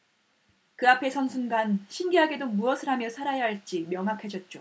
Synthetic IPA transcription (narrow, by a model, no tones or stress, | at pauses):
kɯapʰe̞sʰʌnsʰunɡanɕʰinɡiɦaɡe̞domuʌsʰɯɾɦamjʌsʰaɾajaɦaɭt͡ɕ͈imjʌŋɦakʰad͡ʑʌt̚t͡ɕ͈o